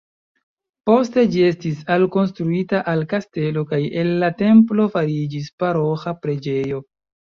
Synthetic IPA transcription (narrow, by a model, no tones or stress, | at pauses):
po̞ste̞d͡ʒie̞stisalko̞nstɾuitaʔalkaste̞lo̞kaje̞nːate̞mplo̞faɾid͡ʒispaɾo̞xapɾe̞d͡ʒe̞jo̞